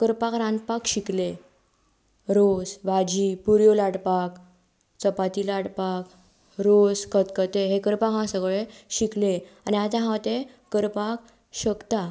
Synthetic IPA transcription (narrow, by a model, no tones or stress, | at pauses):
kəɾpakɾãnd̪̚pakɕikle | ɾosʋad͡ʑipuɾjolaɽpak | t͡səpat̪ilaɽpak | ɾoskət̪kət̪eɦekəɾpakɦãsəɡɭeɕikleaniat̪ãɦãwt̪ekəɾpak | ɕəkt̪a